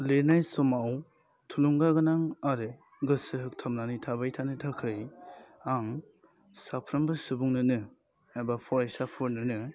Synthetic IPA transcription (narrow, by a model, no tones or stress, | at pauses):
lenajsɔmaw | tʰuluŋɡaɡɯnaŋaɾɯ | ɡɯsɯɦɯk̚tʰamnanijtʰabajtʰanɯtʰakʰɯj | aŋ | sapʰɾambɯsubuŋnɯnɯ | abapʰɔɾejsapʰɯɾnɯnɯ